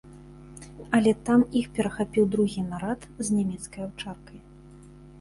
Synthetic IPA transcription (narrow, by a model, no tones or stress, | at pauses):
ɐlʲɛt̪amixpʲɛɾɐxapʲiwd̪ɾuɣʲinaɾat̪zʲnʲamʲɛt̪skɐjawt͡ʂarkɐj